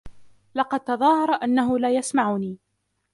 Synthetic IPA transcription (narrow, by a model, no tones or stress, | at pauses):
lɑqɑd̪̚t̪ɑðˤɑːhɑɾˤɑʔanːaɦʊlaːjasmaʕʊniː